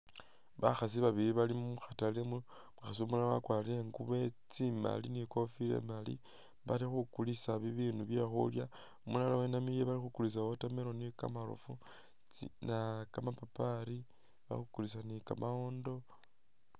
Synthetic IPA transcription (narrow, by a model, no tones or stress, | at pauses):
βa̰xas̬iβaβiɾiβalimuxatalemu | muxasiomulaawa̰kwaːliɾeŋɡuβe̞t͡sima̰liniko̞filḛmalḭ | βalixukulisaβiβiːnuβje̞xṵlja | omulalawenamiljeβalixukulis̬aotameɾo̞nika̰malṵfu | t͡snakamapapaɾi | βa̰xukulis̬anikamʔaondo̞